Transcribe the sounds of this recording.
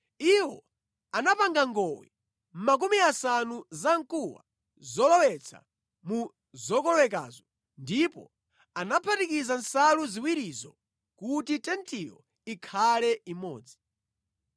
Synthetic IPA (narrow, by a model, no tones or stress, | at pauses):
iwɔ̰ | anapaŋɡaŋɡɔwɛ̰ | m̩mak̬umiasanuzaŋkuwa̰ | zɔlɔwɛt͡sʰa̰ | mu | zɔkɔwɛka̰ːzɔ | ndipɔ | anapʰatikizansaluziwiɾizɔ | kutitɛntʰijɔ | ikʰalɛimɔ̰ːd͡zi̥